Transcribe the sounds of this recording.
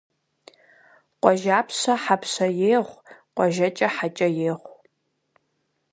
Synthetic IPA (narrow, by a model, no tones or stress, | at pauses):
qʷʼɔʒaːpʰɕɐħapʰsɐjeːʁʷqʷʼɔʒɐt͡ʃʼɐħat͡ʃʼɐjeːʁʷ